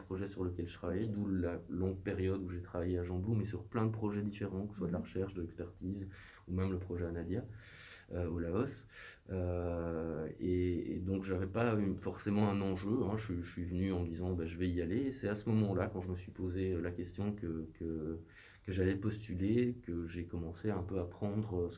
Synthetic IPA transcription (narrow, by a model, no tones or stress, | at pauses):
pχɔʒɛsyʁləkʲɛlʒə̥t̪χavajed̪ulalɔ̃ɡ̚peʁjɔd̪uʒet̪χavajeaʒɑ̃blumɛsyʁplɛ̃d̪əpχɔʒɛd̪ifeʁɑ̃kəsəswad̪laʁəʃɛʁʃd̪əlɛkspɛʁt̪iːz | umɛmləpχɔʒɛanalja | øolaɔs | ø | ḛd̪ɔ̃kʒavɛpayfɔʁsemɑ̃ɛ̃nɑ̃ʒøɛ̃ʒɥiəsɥivənyɑ̃məd̪izɑ̃baʒəvɛialesɛt̪asəmɔmɑ̃lakɑ̃ʒəməsɥipozeølakʲɛst̪jɔ̃kəkə | kəʒalɛpɔst̪ylekəʒekɔmɑ̃seɛ̃pøapχɑ̃d̪ʁøs